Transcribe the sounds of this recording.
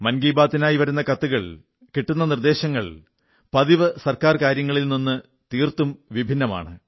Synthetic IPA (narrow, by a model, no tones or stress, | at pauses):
mɐnɡiːbaːt̪ːinaːjiʋɐɾunːɐkɐt̪ːuɣɐɭ | kiʈːunːɐnird̪e̞ːɕɐŋːɐɭ | pɐðiʋɨsɐrkaːrkaːɾjɐŋːɐɭilninːɨ | t̪iːrt̪umʋibʱinːɐma̰ːɳɨ